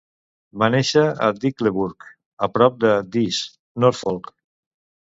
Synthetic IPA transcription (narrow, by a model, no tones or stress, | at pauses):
baneʃəə̰d̪ikleβuɾk | əpɾɔp̚d̪əd̪is | nɔɾfolˠk